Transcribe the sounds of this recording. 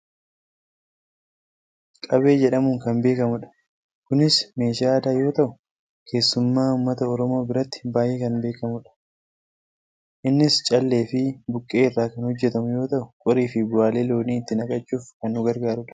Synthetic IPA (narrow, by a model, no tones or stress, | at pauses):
kʼɐbe̞ːd͡ʒɛᶑɐmʊːŋkɐnbe̞ːkɐmʊᶑɐ̥ | kʊnɪsme̞ːʃaːɐd̪aːjo̞ːt̪ɐʔʊ̥ | kʰe̞ːsːʊmːaːʊmːɐt̪ɐɔɾɔmo̞ːbɪɾɐt̪ːɪ̥baːjʔeːkɐnbe̞ːkɐmʊᶑɐ̥ | ʔɪnːɪst͡ʃʼɐlːe̞ːfɪbʊkʼːe̞ːɪrːaːkɐnhɔd͡ʒːɛt̪ɐmʊjo̞ːt̪ɐʔʊ̥kʼɔɾiːfɪbʊaːle̞ːlo̞ːniːɪt̪ːɪnɐkʼɐt͡ʃʼːuːfkɐnːʊɡɐɾɡaːɾʊᶑɐ̥